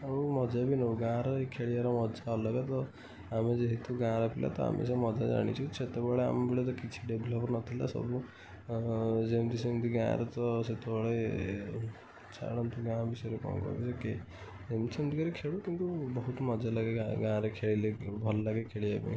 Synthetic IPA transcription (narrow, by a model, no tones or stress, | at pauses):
umɔd͡ʒabinɔɡãɾekʰeɭijaɾɔmɔd͡ʒalɔɡat̪ɔ | amed͡ʒeɦit̪uɡãɾɔpʰilʔa̰t̪ɔa̰mʔḛsɔ̃mɔd͡ʒad͡ʒa̰ɽ̃ḭt͡ʃʰũt͡ʃʰet̪ebɔɭea̰mbiɭet̪̬ɔkit͡ʃʰi̥ɖeblɔpɾnɔt̪ʰila̰sɔ̰bu | d͡ʒemt̪isemd̪iɡã̰ːɾet̪ɔset̪ɔɔɭe | t͡ʃʰa̰ɽɔnt̪uɡãbisɔɾekɔ̰̃kɔ̰ɾ̰biseke | emt̪isʰemd̪ikɔɾekʰeɭukint̪ubɔɦut̪mɔd͡ʒalaɡeaɡãɾekʰeɭilebʱɔllaɡekʰeɭijabḭ